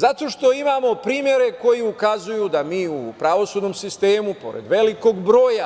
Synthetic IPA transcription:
zat̪o̞ːʃt̪o̞imaːmo̞pɾiːmje̞ɾe̞ko̞jiukazujud̪amiːupɾaʋo̞suːd̪no̞msist̪eːmupo̞̰ɾḛd̪ʋe̞liko̞ɡbɾo̞ːja

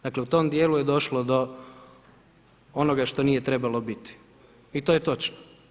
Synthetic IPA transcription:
d̪akleut̪o̞md̪jeːlujed̪o̞ʃlod̪o̞ | onoɡaʃt̪o̞niːje̞t̪ɾe̞balˠo̞bit̪i̥ | it̪o̞ːjet̪o̞t͡ʃno̥

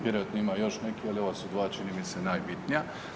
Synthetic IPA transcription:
ʋjeɾojat̪noimajo̞ʃnekialio̞ʋasud̪ʋaːt͡ʃinimisenaːjbit̪nija

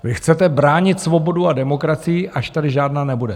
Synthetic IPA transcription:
vɪxt͡sɛt̪ɛbɾaːɲɪt̪svo̞bo̞duadɛmo̞kɾat͡sɪjɪʔʔaʃt̪adɪʒaːdnaːnɛbudɛ

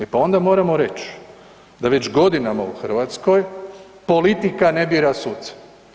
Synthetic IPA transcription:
epao̞nd̪amo̞ːɾamo̞ɾe̞t͡ɕ | d̪aʋe̞t͡ɕɡo̞d̪inamauxr̩ʋat̪sko̞j | po̞lit̪ikane̞biːɾasuːt̪sḁ

